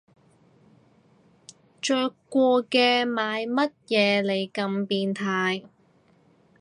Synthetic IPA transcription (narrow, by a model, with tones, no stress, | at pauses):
t͡ʃœː˧kʷɔː˧kɛː˧maː˨˧jmɐ˥t̚jɛː˨˧le˨˩jkɐ˧mpiː˧nt̪ʰaː˧j